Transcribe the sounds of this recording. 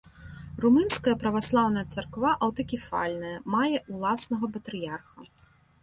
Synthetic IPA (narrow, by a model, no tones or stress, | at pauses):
rumɨnskɐjɐpɾɐvaslˠawn̪ɐjɐt̪sɐrkvaʔɐwt̪ɐkʲifa̰lʲnɐjɐmajɛʔulˠasnɐɣɐpɐt̪ɾɨjarxɐ